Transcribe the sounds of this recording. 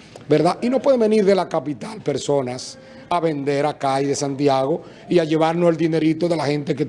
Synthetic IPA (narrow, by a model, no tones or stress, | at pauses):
be̞ɾðaʔino̞pwe̞ðebe̞niɾðe̞lakapit̪alpe̞ɾso̞nas | aβe̞nd̪e̞ɾakaiðe̞sant̪jaɣ̞o̞ | iaʝe̞β̞aɾnoeld̪ine̞ɾit̪o̞ðe̞laxe̞nt̪e̞k̬e